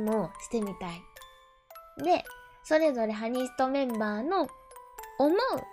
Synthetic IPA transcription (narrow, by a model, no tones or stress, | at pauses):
moɕi̥t̪e̞mʲit̪ai | d̪e̞ | so̞ɾe̞zo̞ɾe̞ɦaɲ̟isɨ̥t̪o̞mẽ̞mbaːno̞ː | moɯ̟̰